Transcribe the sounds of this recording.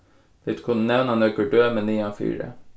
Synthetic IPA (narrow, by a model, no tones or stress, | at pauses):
ʋ̪ɪt̪kʰʊnːənɛʋnɑnøːkəɖøːmɛniːɑːfy̰ːɾə̰